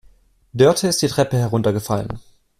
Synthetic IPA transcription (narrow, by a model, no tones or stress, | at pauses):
dœɐtʰəɪstd̥iːtʁ̥ɛpəɦɛɐʁ̞ʊntɐɡəfalə̰n